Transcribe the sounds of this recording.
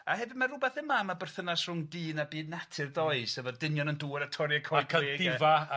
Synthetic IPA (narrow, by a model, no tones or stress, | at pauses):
ahɛvɪmarʊbɛθɪmamabər̥θənasrʊŋdiːnabiːdnatʰɨrdɔɨsəvɛrdɪnjɔnənduːɾatʰɔɾjakʰɔjkʰaeɡdɪva